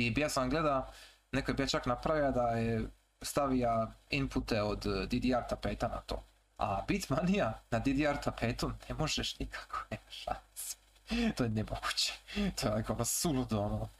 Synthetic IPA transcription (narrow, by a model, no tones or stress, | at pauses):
ibijasaɡled̪a | nekojebijat͡ʃaknapɾaʋiad̪aje | st̪aʋiaimput̪eod̪ːid̪iaɾt̪apeːt̪ana̰t̪o̰ː | a̰bit̪ʲmanijanad̪id̪iaɾt̪apeːt̪unemo̞ʒeʃnikʰḁkonimaʃanse̥ | t̪ojenemoɡ̥u̥t͡ɕe̥t̪ojeakoonosulud̪ono